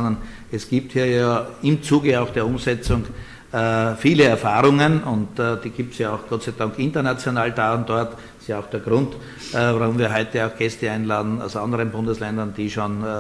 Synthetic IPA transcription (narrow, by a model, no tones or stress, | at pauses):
ndɐn | ɛsɡ̥iːp̚thiːɐjaːɪmt͡suːɡəaʊxd̥eːɐʊmsɛt͡sʊŋ | fiːləɛɐfaːʁʊŋənʊntːd̥iːɡ̥iːp̚tsjaaʊxɡ̥ɔtt͡sæɪdɑŋkɪntɐnat͡sjonaːld̥aːʊnd̥ɔɐt | ɪstjaaʊxd̥eːɐɡ̥ʁʊnt | vaʁʊmviːɐɦɔʏtəaʊxɡ̥ɛstəãɪnlaːdn̩a̰ʊsʔɑ̃ndəʁənbʊ̃ndəslɛndɐnd̥iːʃon